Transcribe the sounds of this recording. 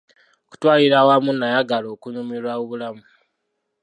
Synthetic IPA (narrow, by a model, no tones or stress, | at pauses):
oku̥twaːliɾawamunajaɡalo̞ːkunumiɾwaoβulamu